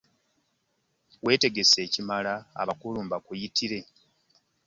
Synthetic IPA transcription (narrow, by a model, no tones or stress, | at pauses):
we̞ːte̞ɡe̞se̞ːcimalaa̰βakuluːmbakujitiɾe̞